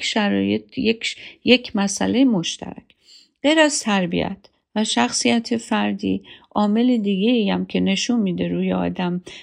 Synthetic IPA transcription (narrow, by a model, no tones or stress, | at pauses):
ʃæɾɒːjet̪jekjecʰmæsæ̰lejemo̞ʃt̪ʰæ̰ɾæ̰cʰ | ɢ̥ejɾæz̥t̪ʰæɾbḭæ̰t̪ʰ | væʃæxsijæt̪ʰefæɾd̪ḭːʔɒːme̞led̪iːɡeijæmcʲʰe̞ne̞ʃunmiːd̪e̞ɾuːjeɒ̰ːd̪æm